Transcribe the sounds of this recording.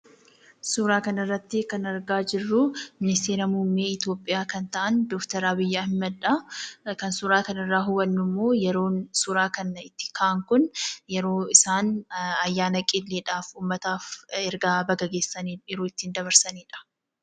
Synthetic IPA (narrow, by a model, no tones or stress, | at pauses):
suːɾaːkɐnɪrːɐt̪ːɪkɐnɐɾɡaːd͡ʒɪrːʊmɪnɪst̪eːɾɐmumːeːɪt̪jo̞ːpʼːɪjaːkɐnt̪ɐʔɐnd̪ɔːkt̪ɐɾabɪjːaːhɪmːɐd̪ᶑɐkɐnsʊːɾaːkɐnɪrːaːɦʊbɐnːʊmːo̞ːjɛɾo̞ːnsuɾaːkɐnɪt̪ːɪ̥kʰaʔɐŋkʊnjɛɾo̞ːɪsaːnɐjːaːnɐkʼɪlːeːᶑaːfuːmːɐt̪aːfɛɾɡaːbɐɡɐɡe̞ːsːɐniːnɛɾuːɪt̪ːɪnd̪ɐβɐɾsɐniːᶑɐ̥